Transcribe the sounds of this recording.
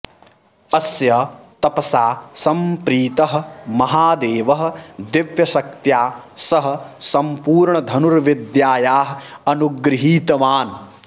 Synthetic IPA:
ɐsjɐt̪ɐpɐsaːsɐmpɾiːt̪ɐɦɐ̆mɐɦaːd̪eːʋɐɦɐ̆d̪ɪʋjɐʃɐk̚t̪jaːsɐɦɐ̆sɐmpuːɾɳɐd̪ʱɐnuɾʋid̪jaːjaːɦɐɐnuɡɾɪɦiːt̪ɐʋaːn

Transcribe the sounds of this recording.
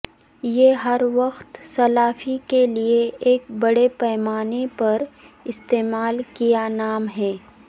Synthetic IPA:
jeːɦɐɾʋɐxt̪sɐlaːfikelieeːk̚bɐɽepɛːmaːnepɐɾɪst̪eːmaːlkijanaːmɦɛː

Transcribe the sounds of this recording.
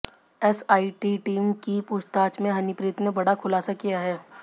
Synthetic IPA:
ɛsaːiʈiʈiːmkipʊʃt̪aːt͡ʃmẽɦɐnɪpɾiːt̪nẽbɐɽakʰʊlaːsakijaɦɛː

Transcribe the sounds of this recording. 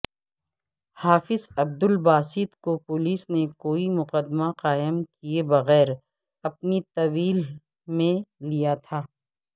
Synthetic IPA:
haːfɪzɐb̚d̪ʊlbaːsɪt̪kopʊliːsnekoːimʊqəd̪maqaːɪmkiebɐɣɛːɾ | ɐp̚nit̪ɐwiːl | mẽlijat̪ʰaː

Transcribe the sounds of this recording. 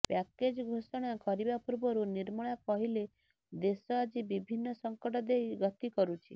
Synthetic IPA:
paked͡ʒɡʱosɔɽ̃akɔɾibapuɾbɔɾuniɾmɔɭapɔɦile | d̪esɔad͡ʒibibʱinːɔsɔŋkɔʈɔd̪ejɡɔt̪ikɔɾut͡ʃʰḭ

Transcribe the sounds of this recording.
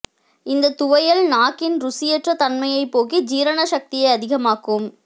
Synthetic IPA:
ɪnd̪ɐt̪ʊʋɐjɐlnaːkɪnɾʊsɪjɛʈrɐt̪ɐnmɐjɐɪpːoːɣid͡ʒiːɾɐɳɐʃɐk̚t̪ɪjɐɪɐðɪɣɐmaːkɯm

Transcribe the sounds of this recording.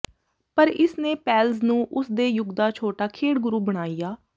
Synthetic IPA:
pəɾɪsnẽːpɛːlznũːʔʊsd̪eːjʊɡd̪aːt͡ʃʰoːʈaːkʰeːɽɡʊɾuːbəɽ̃aːijaː

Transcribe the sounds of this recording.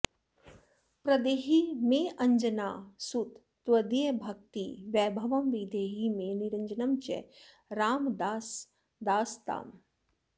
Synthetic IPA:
pɾɐd̪eːɦimẽɐɲd͡ʒɐnaːsut̪ːʋɐd̪ijbʱɐk̚t̪iʋjɛːbʱɐʋɐmʋid̪eːɦimẽniɾɐɲd͡ʒɐnɐmt͡ʃɛ̰ | ɾaːmd̪aːs | d̪aːst̪a̰ːm

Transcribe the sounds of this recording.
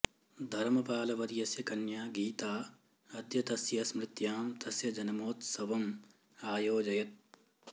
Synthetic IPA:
d̪ʱɐɾmɐpaːlɐʋɐɾjɐsjɐkɐnjaːɡiːt̪aː | ɐd̪jɐt̪ɐsjɐsmɾɪt̪jaːmt̪ɐsjɐd͡ʒɐnɐmoːt̪sɐʋɐm | aːjoːd͡ʒɐjɐt̪̚

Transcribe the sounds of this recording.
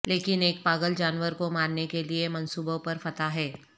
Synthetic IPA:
leːkɪneːk̚paːɡəld͡ʒaːnʋəɾkomaːnːekeliemɐnsuːbõpɐɾfɐt̪aɦɛː

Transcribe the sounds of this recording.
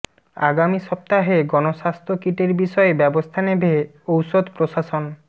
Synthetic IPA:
a̰ɡamiʃɔp̚t̪aɦeɡɔnoʃast̪ʰɾokiʈeɾbiʃɔebɛbost̪ʰanebʱe | owsod̪pɾoʃaʃon

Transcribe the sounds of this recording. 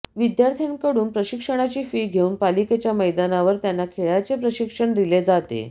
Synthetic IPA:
ʋid̪jaɾt̪ʰijankəɽuːnpɾəɕikʂəɽ̃at͡ɕiːfiːɡʱeuːnpaliket͡ɕjaməjd̪anaʋəɾt̪janːakʰeɭjat͡sepɾəɕikʂəɳd̪iled͡zat̪ḛ

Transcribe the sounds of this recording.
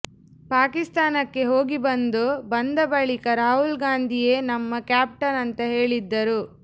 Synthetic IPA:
paːkist̪aːnɐkːe̞ɦo̞ːɡibɐnd̪ubɐnd̪ɐbɐɭikɐɾaːɦulɡaːnd̪ʱije̞ːnɐmːɐkjaːp̚ʈɐnɐnt̪ɐɦe̞ːɭid̪ːɐɾu

